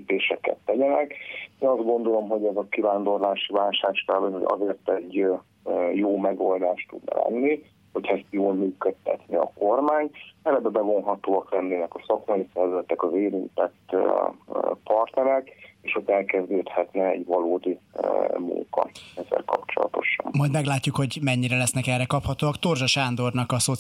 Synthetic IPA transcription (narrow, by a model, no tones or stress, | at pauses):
lːpeːʃɛkɛ̰t̪ːɛɟɛnɛkeːnɒzd̪̚ɡo̞nd̪o̞lo̞mɦo̞ɟɛzɒkivaːnd̪o̞rlaːʃivaːlʃaːʃkɛlbɛoɟɒ̰zeːrt̪ɛɟː | joːmɛɡo̞ld̪aːʃt̪ud̪nɒ̰lɛ̰nːi | ho̞cʰɛst̪joːlmyːkøt̪ːɛt̪niɒ̰ko̞rmaːɲɛɾɛbɛbɛɡo̞nɦɒt̪oːɒklɛnːeːnɛkɒsɒkmɒjisɛrvɛzɛt̪ːɛkɒzeːɾint̪ɛt̪ː | pɒrt̪nɛɾɛkeːʃot̪ːɛlkɛzd̪øːt̪hɛt̪nɛɛɟvɒloːd̪imṵŋkɒ̰ɛzːɛ̰lkɒ̰pt͡ʃo̞̰lɒ̰t̪o̞̰ʃɒ̰nmɒjd̪mɛɡlaːcːukho̞ɟmɛɲːiɾɛlɛsnɛkɛrːɛkɒphɒt̪oːɒkt̪o̞rʒɒʃaːnd̪o̞rnɒkɒso